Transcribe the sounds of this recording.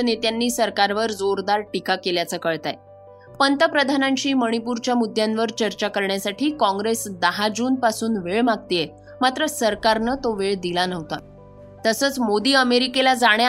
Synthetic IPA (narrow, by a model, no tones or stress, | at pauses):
net̪janːiːsəɾkaɾʋəɾd͡zoɾd̪aɾʈikakeljat͡səkəɭt̪a̰j | pənt̪əpɾəd̪ʱanãɲt͡ɕiːməɽ̃ipuɾt͡ɕjamud̪ʱːjãnʋəɾt͡ɕəɾt͡ɕakəɾɳjasaʈʰiːkɔ̃ŋɡɾesd̪əɦad͡ʑuːnpasuːnʋeɭmaɡ̚t̪ije | mat̪ɾəsəɾkaɾnət̪oʋeɭd̪ilanəɦt̪a̰ | t̪əsəːt͡smod̪iːəmeɾikelad͡zaɽja